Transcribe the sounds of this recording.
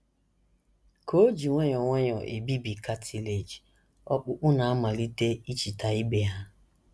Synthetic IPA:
ko˦d͡ʒi˨ŋʷe˦ɲɔ˨ŋʷɔ˦ɲɔ˨ʔe˨bi˦bi˨ka˦tʰi˦le˨d͡ʒi˨ | ɔ˦k͡pʊ˦k͡pʊ˦na˨a˦ma˨li˦te˦i˦t͡ʃi˨ta˨i˦be˨ɦa˦

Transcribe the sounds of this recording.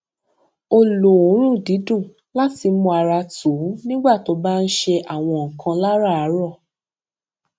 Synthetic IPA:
o˧lo˨õ˨˦ɾ̃ũ˦˨di˨˦dũ˦˨ | la˦ti˧mũ˧a˧ɾa˧tu˨˦nĩ˦ɡ͡ba˦˨to˧˦ba˦˧n̩˦ʃe˧ʔa˦˨w̃ɔ̃˧ŋ̩˨kã˧la˦ɾa˦˨a˨˦ɾɔ˦˨

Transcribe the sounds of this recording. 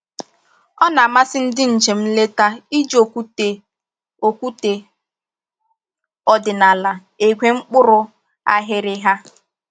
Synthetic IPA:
ɔ˦na˨ma˦sɪ˦n̩˦dɪ˦n̩˨d͡ʒe˨m̩˦le˦ta˦i˦d͡ʒo˨ku˦te˨ | o˨kʷu˦te˨ | ɔ˨dɪ˨na˨la˨ | e˨ɡʷe˦ŋ͡m̩˦k͡pʊ˦ɾʊ˦ | a̰˦ɦɪ˦ɾɪ˦ɦa˦

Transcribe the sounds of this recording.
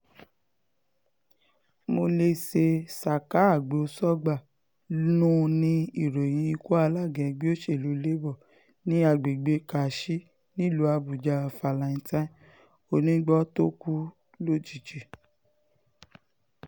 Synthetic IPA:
mo˧le˧se˧sa˨ka˦a˦˨ɡ͡bo˨˦sɔ˦ɡ͡ba˦˨ | nũ˦˧nĩ˦i˦˨ɾo˨j̃ĩ˧i˧ko˦a˧la˦˨ɡɛ̃˨ɡ͡bi˦o˦ʃe˦˨lu˨˦le˦bɔ˦˨ | nĩ˦a˧˨ɡ͡be˨ɡ͡be˧ka˨ʃi˦ | nĩ˦˨lo˧˦a˧bu˨d͡ʒa˧˨fa˨lã˨ĩ˧˦tã˦ | o˧˦nĩ˦ɡ͡bɔ˦to˦ku˦ | lo˦d͡ʒi˦˨d͡ʒe˨

